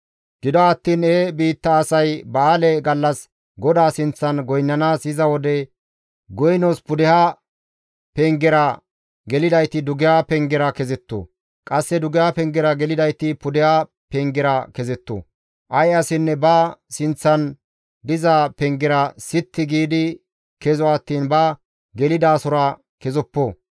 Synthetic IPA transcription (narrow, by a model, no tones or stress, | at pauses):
ɡ̥ɪd̪ɔɐt̪ːiːnebiːt̪ːɐːsɐjbaːlɛɡɐlːɐs | ɡɔd̪aːsɪnt͡sːɐnɡɔjnːɐnaːsɪzɐwɔd̪ɛ | ɡɔjnoːspʊd̪ɛhaː | pɛŋɡɛɾɐ | ɡɛlɪd̪ɐjt̪ɪd̪ʊɡɪjapɛŋɡɛɾɐkɛzɛt̪ːo̰ | kʼɐsːɛd̪ʊɡɪhapɛŋɡɛɾɐɡɛlɪd̪ɐjt̪ɪpʊd̪ɛha | pɛŋɡɛɾɐkɛzɛt̪ːo̰ː | ʔɐjɐsɪnːɛbɐsɪnt͡sːɐn | d̪ɪzaːpɛŋɡɛɾɐsɪt̪ːɪɡiːd̪ɪ | kɛzɔɐt̪ːiːnbɐ | ɡɛlɪd̪aːsʊɾɐ | kɛzɔpːoː